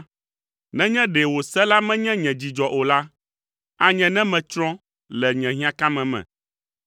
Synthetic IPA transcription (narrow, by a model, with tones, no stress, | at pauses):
nɛ̃˦ɲɛ̃˦ɖɛ˨wo˨sɛ˦la˦mɛ̃˦ɲɛ̃˦ɲɛ̃˨d͡ʑi˨d͡ʒɔ˨ʔo˨la˦ | a˦ɲɛ̃˨nɛ̃˦mɛ̃˨t͡ʃɾɔ̃˦ | lɛ˨ɲɛ̃˨ɦĩ˦ã˦ka˦mɛ̃˨mɛ̰̃˨